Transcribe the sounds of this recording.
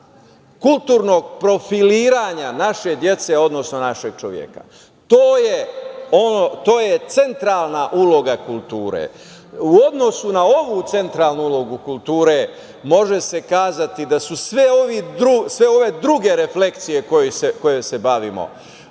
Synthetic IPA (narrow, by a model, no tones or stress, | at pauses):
kult̪uːɾno̞ɡ̚pɾo̞filiːɾaɲanaʃe̞d̪je̞t̪se̞o̞d̪no̞sno̞naʃe̞ɡ̥̚t͡ʃo̰ʋjḛka̰ | t̪oːjeonot̪oːjet̪se̞nt̪ɾaːlˠnaʔulo̞ɡakulˠt̪uːɾḛ | uo̞d̪no̞sunao̞ʋuːt̪se̞nt̪ɾaːlˠnuulˠo̞ɡukulˠt̪uːɾe | mo̞ʒe̞se̞kaːzat̪id̪asusʋeoʋid̪ɾusʋe̞o̞ʋe̞d̪ɾuɡe̞ɾe̞fle̞kt̪sije̞ko̞jiseko̞jese̞baʋḭmo̰